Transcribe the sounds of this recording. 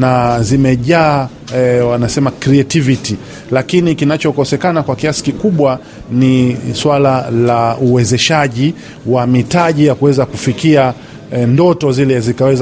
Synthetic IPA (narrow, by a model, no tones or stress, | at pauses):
nazimɛʄaː | wanasɛmakɾiɛtiviti | lakinikinat͡ʃɔkɔsɛkanakwakiasi̥kikuɓwa | niswalalauwɛzɛʃaʄi | wamitaʄijakuwɛzakufikia | ndɔtɔzilɛzikawɛz